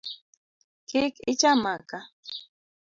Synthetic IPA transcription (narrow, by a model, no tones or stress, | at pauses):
kikit͡ʃamaka